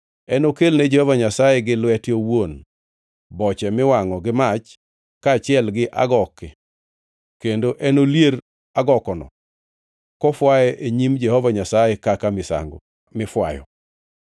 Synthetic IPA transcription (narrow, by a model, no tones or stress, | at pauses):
ɛnokelnɛd͡ʒɛhɔvaɲasajɛɡɪlwɛtjowon | bɔt͡ʃɛmɪwaŋɔɡɪmat͡ʃ | kaːt͡ʃɪɛlɡɪʔa̰ɡɔkːɛ | kendoʔɛnoljeɾ | aɡɔkɔnɔ̰ | kɔfwaɛʔeɲimd͡ʒɛhɔvaɲasajɛkakamɪsa̰ŋɡo̰ | mɪfwa̰jɔ̰